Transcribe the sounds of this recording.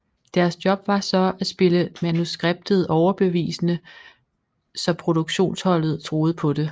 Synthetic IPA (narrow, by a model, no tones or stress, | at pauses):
d̥æɐsd̥jɒ̽b̥ʋɑ̈sɒ̽æsb̥e̝ləmænusɡ̥ʁeb̥̚d̥ð̞̩ˠɒʊɐb̥e̝ʋḭːsənə | sɒ̽pʰʁo̝d̥uɡ̥ɕo̝̰ːnshɒ̽l̰ð̞̩ˠt͡sʰʁo̝ːð̞̩ˠəpʰɒ̽d̥e̝